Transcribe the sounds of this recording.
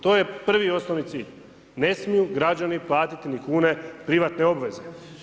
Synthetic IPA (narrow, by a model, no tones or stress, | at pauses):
t̪o̞ːje̞pr̩ʋio̞snoʋnit̪siːʎ | ne̞smijuɡɾad͡ʑaniplˠaːt̪it̪inikuːne̞pɾiʋat̪ne̞o̞bʋe̞ze̞